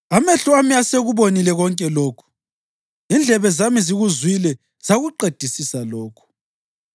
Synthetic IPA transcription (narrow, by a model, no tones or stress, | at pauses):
ameɬuamijaseɣuβonilɛɣɔŋkʼɛloːkʰu̥ | ind͡ɮʱɛβɛzamiziɣuzwilɛ | z̥aɣuǃed̥ʱisisalɔːkʰu̥